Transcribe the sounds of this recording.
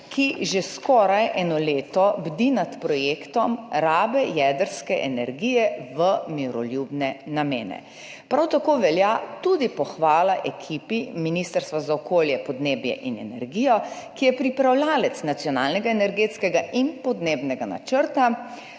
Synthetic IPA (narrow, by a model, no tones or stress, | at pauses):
kʰiʒeskɔɾajʔɛːnɔleːt̪ɔbd̪inat̪pɾɔjeːkt̪ɔmɾaːbɛjɛd̪əɾskɛʔɛnɛɾɡiːjɛʋəmiɾɔljubnɛnameːnɛ̰ | pɾawt̪akoʋɛljat̪ud̪ipɔxʋaːlaʔɛkʰipiminist̪əɾst̪ʋazaɔkoːljɛpɔd̪neːbjɛ̰ʔinɛ̰nɛ̰ɾɡijɔ | kijɛpɾipɾawlaːlɛt̪snat̪sjɔnaːlnɛɡaɛnɛɾɡet̪skɛɡaʔinpɔd̪neːbnɛɡana̰t͡ʃəɾt̪a